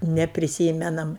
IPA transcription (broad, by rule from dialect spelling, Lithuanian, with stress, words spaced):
nʲɛpʲrʲɪˈsʲiːmʲɛnɐm